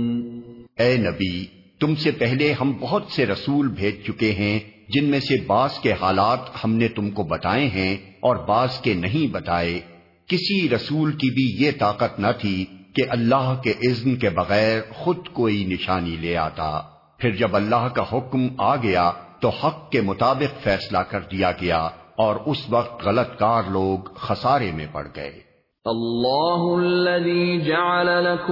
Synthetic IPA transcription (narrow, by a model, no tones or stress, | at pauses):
ɛːnɐbi | t̪ʊmsepɛɦleɦɐmbɐɦʊt̪seɾɐsuːlbʱeːd͡ʒt͡ʃʊkeɦɛ̃d͡ʒɪnmẽsebaːzkehaːlaːt̪hɐmnet̪ʊmkobɐt̪aːeɦɛ̃ɔːɾbaːzkenɐɦĩbɐt̪aːe | kɪsiɾɐsuːlkibʱijet̪aːqət̪nɐt̪ʰikeʔɐlːaːɦkeʔɪznkebɐɣɛːɾxʊd̪koːinɪʃaːnileːa̰ːt̪a̰ː | pʰɪɾd͡ʒɐbɐlːaːɦkaɦʊkmaːɡɐjat̪ohɐqːemʊt̪aːbɪqfɛːslakɐɾd̪ijaɡɐjaɔːɾʊsʋɐqt̪ɣɐlət̪kaːɾloːɡxɐsaːɾemḛ̃pɐ̰ɽ̤ɡɐ̰ḛː | ʔɐlːaːɦʊɐllːɐðiːd͡ʒaʕalalak